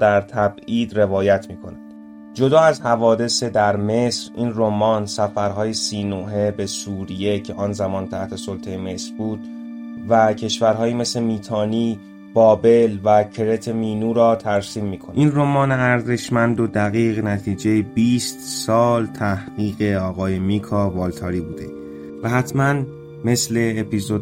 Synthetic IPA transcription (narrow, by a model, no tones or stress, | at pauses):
d̪æɾt̪ʰæbiːd̪re̞vɒːjæt̪ʰmiːkʰo̞nænd̪̥ | d͡ʒo̞d̪ɒːæzhævɒːd̪e̞sed̪æɾme̞sɾḭːnromɒːnsæfæɾɦɒːjesiːnoɦe̞be̞suːɾije̞cʰe̞ʔɒːnzæmɒːnt̪ʰæht̪ʰe̞solt̪ʰejeme̞sɾbuːd̪̥ | væcʰe̞ʃvæɾɦɒːjiːme̞sle̞miːt̪ʰɒːniː | b̥ɒːbe̞lvæcʰe̞ɾe̞t̪ʰe̞miːnuːɾɒːt̪ʰæɾsiːmːiːkʰonʔinromɒːneæɾze̞ʃmænd̪od̪æɣiːɣnæt̪ʰiːd͡ʒejebiːst̪sɒːlt̪ʰæhɢiːɣe̞ɒːɣɒːjemiːkʰɒvɒːlt̪ʰɒːɾiːbuːd̪e̞̰ | væɦæt̪ʰmæn | me̞sle̞ːpizod